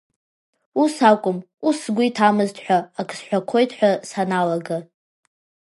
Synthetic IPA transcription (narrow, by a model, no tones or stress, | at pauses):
usakʷʼʊm | usɡʷʊitʰamɨztʰʼħʷᶣaːkʼsħʷᶣakʷʰojtʰʼħʷᶣasanalaɡa